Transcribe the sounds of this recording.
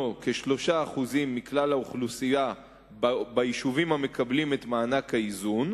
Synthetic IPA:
oke̞ʃlo̞ʃaːχuzimːiklalauχlusija | bbajiʃuvimhame̞kablime̞t̪maːnakhaizun

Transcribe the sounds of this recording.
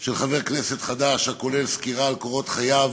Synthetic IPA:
ʃelχave̞ʁknese̞t̪χad̪aʃhako̞lelskiʁaːlkoʁo̞t̪χajav

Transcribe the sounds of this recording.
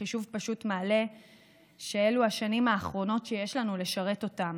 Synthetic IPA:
iʃuvpaʃutmaːle̞ | ʃee̞luaʃanimaːχʁo̞no̞tʃeje̞ʃlanule̞ʃaʁe̞to̞tam

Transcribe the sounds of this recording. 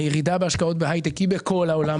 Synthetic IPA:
jeʁid̪abeaʃkao̞t̪̚beɦajt̪ekibeko̞laolam

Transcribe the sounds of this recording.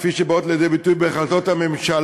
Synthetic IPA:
fiʃebaot̪lejed̪ejbitujbeχazo̞thame̞mʃal

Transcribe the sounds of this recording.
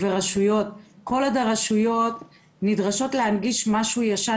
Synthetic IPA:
veʁaʃujo̞t̚ko̞ladaʁaʃujo̞t | nidʁaʃo̞tlehanɡiʃmaʃujaʃa

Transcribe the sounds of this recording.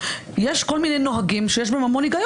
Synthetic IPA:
jeʃkolminejnoɦaɡimʃejeʃ̬beemamoniɡaj

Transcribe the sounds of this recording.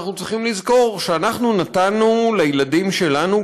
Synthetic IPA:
χnut͡sʁiχimlizko̞ʁʃeanaχnunatanːulejeladimʃe̞lanu

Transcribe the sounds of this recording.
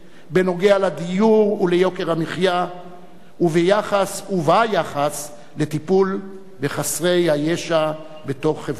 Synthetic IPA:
be̞no̞ɡe̞alad̪ijuʁulejo̞ke̞ʁamiχja | uvejaχasuvajaχas | le̞t̪ipul | beχasʁe̞jhajeʃa | be̞to̞χːeva

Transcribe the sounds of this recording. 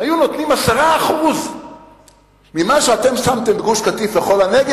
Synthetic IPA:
ajuno̞t̪nimasaʁaːχuz | mimaʃeat̪e̞msamt̪e̞mbɡuʃkat̪ifleχo̞laneɡ

